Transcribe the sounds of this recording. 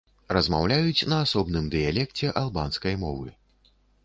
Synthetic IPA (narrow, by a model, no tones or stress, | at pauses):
rɐzmawlʲajut͡sʲnɐːsɔbnɨmd̪ɨjalʲɛkt͡sʲɛʔalˠbanskɐjmɔvɨ̰